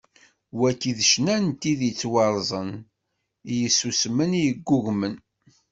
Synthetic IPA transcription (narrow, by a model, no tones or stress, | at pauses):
wækiðʃnænt̪iðət͡sːwɑɾˤzˤən | ijəsusmənijəɡːuɣmən